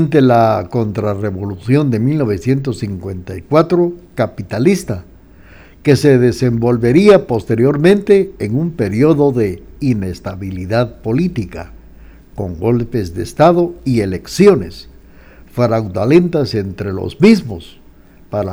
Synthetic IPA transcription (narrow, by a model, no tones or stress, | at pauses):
nt̪elako̞nt̪ɾare̞βo̞lusjo̞nd̪e̞milno̞β̞e̞sjent̪̬o̞sːiŋkwe̞nt̪ajkwat̪ɾokapit̪alist̪a | ke̞se̞ðe̞se̞mbo̞lβe̞ɾiapo̞st̪e̞ɾjo̞ɾmẽ̞nt̪e̞ːŋumpe̞ɾjo̞ðo̞ðe̞ine̞st̪aβiliðaðpo̞lit̪ika̰ | ko̞ŋɡo̞lfe̞zðe̞ːst̪aðo̞iele̞ksjo̞ne̞s | fɾawd̪alent̪ase̞nt̪ɾe̞lo̰zmizmo̞s | paɾa